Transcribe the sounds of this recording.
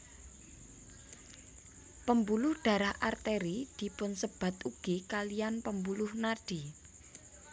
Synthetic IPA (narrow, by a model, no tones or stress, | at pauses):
pəmbulʊhɖ̪̥a̤ɾahart̪eɾid̪̥i̤pʊnsəb̥a̤t̪uɡ̥ekalijanpəmbulʊhnarɖ̥i